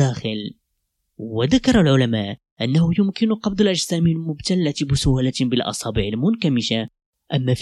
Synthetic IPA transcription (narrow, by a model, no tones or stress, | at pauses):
æxəl | wəd̪akɑɾˤɑlʕʊlæmæʔ | ʔənːahʊjʊmkɪnʊqɑbd̪ˤəlʔæd͡ʒzæːmilmʊbt̪alːat̪bɪsʊhlæt̪bəlʔɑ̰sˤɑbiʕəlmʊnkæmiʃa | ʔæmːæf